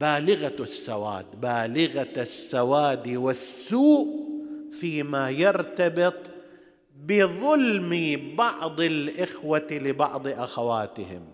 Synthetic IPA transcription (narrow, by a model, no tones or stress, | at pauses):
baːlɪɣasːawa̰ːd̪baːlɪɣasːawaːd̪iwɪsːuːʔfiːmajɪɾt̪abɪt̪ˤ | bɪðˤʊlmibɑʕd̪ˤɪlʔɪxwalɪbɑ̰ʕd̪ˤʔaxawaːt̪ɪhɪ̰m